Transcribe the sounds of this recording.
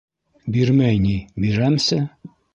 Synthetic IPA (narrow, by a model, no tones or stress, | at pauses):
biɾmæjnʲibiɾæmsɘ